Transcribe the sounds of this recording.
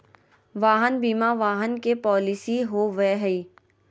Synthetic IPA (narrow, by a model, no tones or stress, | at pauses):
ʋaːɦənbiːmaʋaːɦənkepɔːlɪsiɦoʋɛɦəi